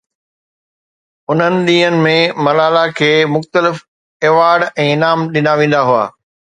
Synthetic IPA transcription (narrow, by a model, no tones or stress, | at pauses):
ʊn̤ənɪ̆ɗ̪iːɦənɪ̆mẽmɐlaːlakʰeːmʊxt̪əlɪf | eːʋaːɾɖɛ̃ːɪnaːmɗɪnaʋẽːn̆d̪aɦua̰ː